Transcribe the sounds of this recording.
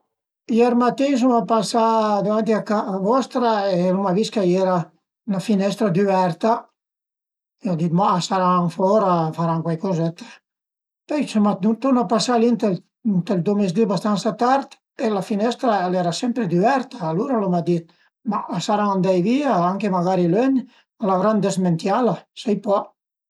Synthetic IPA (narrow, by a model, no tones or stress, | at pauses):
jɛɾmat̪ːins̬umapasad̪avant̪iakaːvɔst̪ɾaelumaviskajɛɾa | nafinɛst̪ɾad̪yɛɾt̪a | eɔd̪it̪̚masaɾaaɱfɔɾafaɾaŋkwajkozɛt̪ḁ | pɛt͡ʃomaut̪unapasalint̪el | nt̪eld̪omez̬d̪ibast̪ansat̪aɾt̪ | elafinɛst̪ɾaɛlɛɾasɛmpɾed̪yɛɾt̪aːluɾalomad̪it̪̚ | maːsaɾaand̪ajviaaŋkemaɡaɾiløn | alavɾand̪ezment̪jalasajpɔ